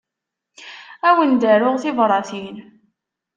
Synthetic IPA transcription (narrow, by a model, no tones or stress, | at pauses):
æwənd̪æɾʊʁθɪvɾˤɑθin